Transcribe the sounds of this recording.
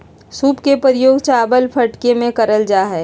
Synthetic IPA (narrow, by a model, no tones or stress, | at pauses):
suːpkepəɾɪjoːɡt͡ʃaːbəlpʰɐʈkemẽkəɾəld͡ʒaːɦɛː